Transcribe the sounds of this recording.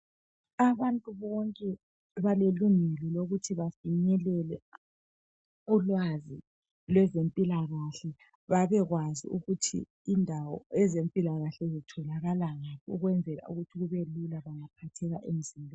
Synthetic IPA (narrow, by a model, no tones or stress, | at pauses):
aβantʼuβɔŋkʼɛ | βaleluŋɛlɛloɣutʰiβaviɲɛlɛlɛ | ulwazi | lwɛzempʼilaɣaɬɛ | βaβɛɣwazḭuɣutʰḭː | ndʱawɔ̰ɛzempʼilaɣaɬɛzitʰɔlaɣalaŋaβʰɔuɣwɛnd͡zʱɛla̰uɣutʰiɣuβelulaβaŋapʰatʰɛɣaʔem̩zinbʱɔ